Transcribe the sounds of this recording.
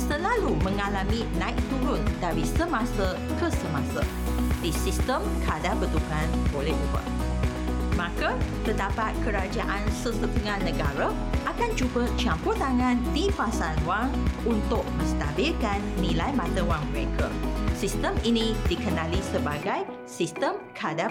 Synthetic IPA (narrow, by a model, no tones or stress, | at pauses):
səlalumə̃ŋalamĩnãɪk̚t̪uɾʊndaɾisəmãsə | kəsəmasə̰ | disist̪əmkʰadabət̪ukanbolɛhubə̰ | mãkat̪ədapat̪̚kəɾad͡ʒaʔansəsət̪əŋãnə̃ɡaɾa | ʔakand͡ʒuɡat͡ʃamput̪aŋãndifasanwaŋunt̪ʊk̚mə̃st̪abɪlkanːĩlajmãt̪əwaŋməɾḛkʰə̰sist̪əminĩdikənalisəbaɡaj | sist̪əmkʰada